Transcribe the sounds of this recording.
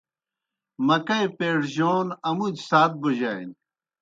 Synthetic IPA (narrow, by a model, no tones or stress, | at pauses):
mɐkɐjpeːɽʑoːnɐmud͡ʑsaːt̪̚boʑaːḭn